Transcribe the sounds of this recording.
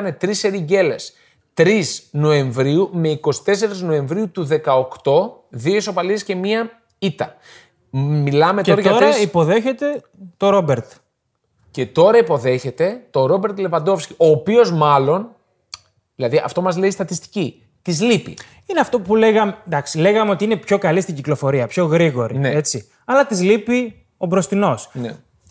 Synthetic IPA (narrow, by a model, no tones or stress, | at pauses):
ne̞t̪ɾiseɾiɟe̞le̞s | t̪ɾisno̞e̞ɱvɾiume̞iko̞si̥t̪e̞se̞ɾizno̞e̞ɱvɾiut̪uðe̞kɐokt̪o̞ðioisopɐliesce̞miɐ | it̪ɐ | milɐme̞t̪oɾɐʝɐɐoɾɐipo̞ðe̞çet̪e̞ | t̪o̞ɾo̞beɾt̪ | ce̞t̪o̞ɾɐipo̞ðe̞çe̞t̪e̞t̪o̞ɾo̞be̞ɾt̪le̞vɐnd̪o̞fscio̞ːpio̞zmɐlo̞n | ðilɐðiʔɐ̰ft̪o̞mɐzle̞ist̪ɐt̪ist̪i̥ci | t̪izlipḭ | ineɐft̪o̞pule̞ɣɐmend̪ɐksile̞ɣɐmeo̞t̪iine̞pço̞kɐlist̪iɲɟiklo̞fo̞ɾiɐpço̞ɣɾiɣo̞ɾineet͡si | ɐlɐt̪izlipi | o̞bɾo̞st̪ino̞snḛ